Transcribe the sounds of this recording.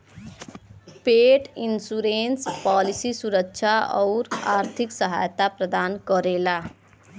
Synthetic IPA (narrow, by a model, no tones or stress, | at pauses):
peʈinsuɾenspalisisuɾəkt͡ʃʰaʌwɾaɾt̪ʰiksʌɦa̰jt̪apɾəd̪ankʌɾela